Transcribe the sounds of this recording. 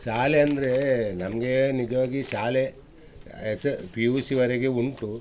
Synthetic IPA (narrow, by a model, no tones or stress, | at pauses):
ʃaːleɐnd̪ɐɾenɐmɐɡenid͡ʒɐʋaːɡiʃaːle | espiuːsiʋɐɾeɡeuɳʈu